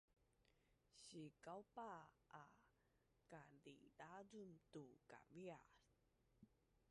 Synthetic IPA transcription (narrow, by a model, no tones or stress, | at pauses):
ɕikawpa | ʔa | kadḭdadumtuka̰via